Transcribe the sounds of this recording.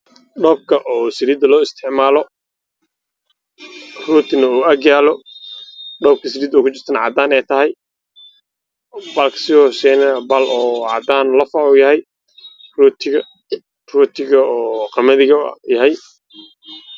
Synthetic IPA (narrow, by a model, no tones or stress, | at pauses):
ɖɔːb̚kʰɐʔɔːsɪɾiːd̪ɐlɔːɪst̪ʰɛʕmaːlɔ | ruːt̪ʰɪnɐuːɐɡjaːlɔ | ɖɔːb̚kʰɐsɪɾiːd̪ɔːkʰʊt͡ʃɪrt̪ʰɐnɐʕɑ̰d̪aːnɛjt̪ʰɐɦɛj | bɐlkʰɐ̥sɪɔːsɛːnɛbɐlʔɔːʕɑ̰d̪aːnlɐfɐʊjɐɦɛj | ruːt̪ʰɪɣɐ | ruːt̪ʰɪɣɐɔːqɑmɐðɪɣɐjɐɦɛj